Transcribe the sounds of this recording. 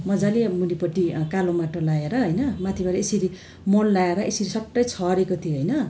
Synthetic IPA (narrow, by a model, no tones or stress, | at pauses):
mʌd͡zalemunipʌʈikalomaʈolaeɾʌɦʌjnʌmat̪ʰibaɾʌesiɾi | monlaeɾʌʔesiɾisʌʈːʌjt͡sʰʌɾekot̪ʰioɦʌjnʌ